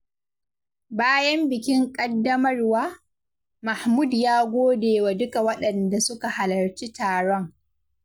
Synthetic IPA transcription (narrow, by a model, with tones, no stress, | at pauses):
baː˦jɐ˦mbɪ˨kʲɪ˦ŋkʼɐ˦dːɐ˦mɐ˦rwaː˦ | ma˨hmu˦˨djaː˦ɡʷoː˦deː˨wa˨dʊ˦ka˨wɐ˦ɗɐ˨nda˨sʊ˦ka˨ha˨lɐ˨rt͡ʃiː˦taː˨ɽɔ˦ŋ